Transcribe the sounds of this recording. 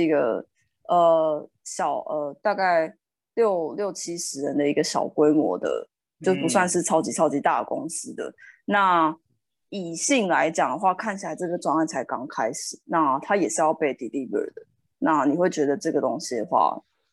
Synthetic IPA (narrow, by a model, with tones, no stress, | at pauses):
i˧˥ɡə˨˩ | ə˨ | ɕjɑ˨˩ʊʔə˨t̪a˥˧ka˥˩ɪ | ljo˥˨ʊljo˥˩ʊt͡ɕʰi˥ʂɻ̩˧˥ɻə˧˦nd̪ə˨i˧˥ɡə˨ɕjɑ̰˨˩ʊkwe˥ɪmwɔ̰˧˦d̪ə̰˧ | t͡ɕo˥˧ʊpu˧˥s̬wa˥˧nʂɻ̩˥˩ʈ͡ʂʰɑ˥ʊt͡ɕi˧˥t͡sʰɑ˥ʊt͡ɕi˧˥t̪a̰˥˩ə˩ko̰˦ŋs̩˦d̪ə̰˨˩na˥˩ | i˨˩ɕi˥˩ŋla˧˦ɪt͡ɕjɑ˨˩ŋd̪ə˦xwa˥˧kʰa˥˩nt͡ɕʰi˨la˨˩ɪʈ͡ʂɤə˥˩ɡə˩ʈ͡ʂwɑ˥˧ŋa˥˩nt͡sʰa˧˥ɪkɑ˥ŋkʰa˦˥ɪʂ̩˨˩˦na˥˩t̪ʰa˦jɛ˨˩ʂɻ̩˥˧jɑ˥˧ʊpe˥˩ɪd̪i˨li˥və̰˞˨˩d̪ə˩ | na˥˩ni˨˩xwe˥˩t͡ɕɥɛ˧˥d̪ə˨ʈ͡ʂɤ˥˩ɡə˩t̪o˦˥ŋɕi˨˩d̪ə˩xwa̰˥˩